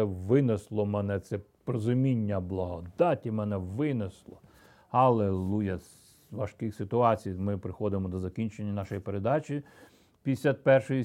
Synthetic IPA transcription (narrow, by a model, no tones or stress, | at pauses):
ɛʋɪneslˠɔmɛnɛt̪sɛpɾɔzʊmʲinʲːɐblˠɐɦɔd̪ɑtʲimɛnɛʋɪneslˠɔ | hɐlˠelˠujɐs | ʋɐʃkɪxsɪt̪ʊɑt͡sʲijmɪpɾɪxɔd̪ɪmɔd̪ɔzɐkʲinʲt͡ʃenʲːɐnɑʃɔjipeɾed̪ɑt͡ʃʲi | pʲisʲat̪̚pɛrʃɔji